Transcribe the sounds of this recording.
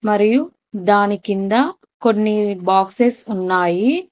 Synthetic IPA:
mɐɾiju | d̪aːnikind̪ɐ | ko̞nːibaːksesunːaːji

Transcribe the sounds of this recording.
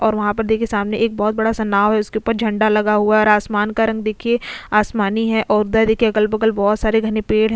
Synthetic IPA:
ɔːɾʋɐɦãpɐɾd̪eːkʰesaːmneʔeːk̚bɔːt̪̚bɐɽasɐnaːʋɦɛʊskeuːpəɾd͡ʒʱɐ̃ɳɖalɐɡaɦuaɛɔːɾaːsmaːnkaɾɐ̃ŋɡ̚d̪eːkʰieaːsmaːniɦɛʔɔːɾʊd̪ad̪eːkʰieɐɡəlbɐɡəlbɔːt̪saːɾeɡʱɐnepeːɽɦɛ̃

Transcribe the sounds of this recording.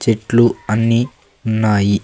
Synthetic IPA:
t͡ʃeʈluɐnːi | unːaːji

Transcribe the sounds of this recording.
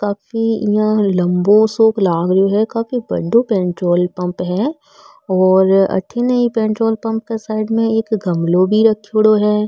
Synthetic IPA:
kaːfijãlɐ̃mbosoːklaːɡɾoɦɛkaːfibɐ̰ɽõpɛ̃ːɳʈɾoːlpɐ̃mpɦɛː | ɔːɾɐ̰ʈʰinɐipɛ̃ːɳʈɾoːlpɐ̃mp̚kesaːɪɖmẽeːkɡʱɐmlobʱiɾɐkʰːoːɽoɦɛː

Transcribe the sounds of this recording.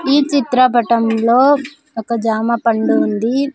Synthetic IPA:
iːt͡ʃit̪ɾɐpɐʈɐmloː | ɔkɐd͡ʒaːmɐpɐɳɖuːnd̪i

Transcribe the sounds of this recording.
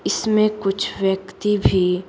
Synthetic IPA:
ɪsmẽkʊt͡ʃʰʋjəkt̪ibʱi

